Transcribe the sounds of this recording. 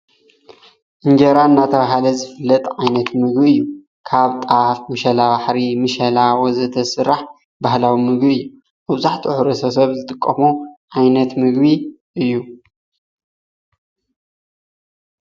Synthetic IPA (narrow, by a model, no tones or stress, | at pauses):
ʔɨŋd͡ʒɐɾaɨnːat̪ʰɐβahalɐzɨfɨlːɐt̪ʼʕajnɐt̪mɨɡbiɨjːu | kʰaβt̪ʼafmɨʃɐlaβaħɾimɨʃɐlawɔzɐt̪ʰɐsɨɾːaħ | bahlawimɨɡbiɨjːu | mɐβzaħt̪ʰiʕuɾɐsɐsɐβzɨt̪ʼɨkʼːɐmuʕajnɐt̪mɨɡbiʔɨjːu